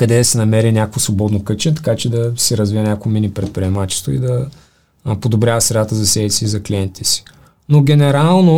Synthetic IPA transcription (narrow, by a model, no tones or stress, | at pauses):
kɐd̪ɛd̪ɐsɛnɐmɛɾinʲakvosvobɔd̪nokɤt͡ʃɛt̪ɐ̥kat͡ʃɛd̪ɐsɛɾɐzvijənʲakvominʲipɾɛt̪̚pɾʲiɛmat͡ʃɛ̥st̪oid̪ɐ | pod̪obɾʲavɐsɾɛd̪at̪əzɐsɛvisiːzɐklʲiɛnt̪i̥t̪ɛsi̥ | noɡʲɛnɛɾalˠno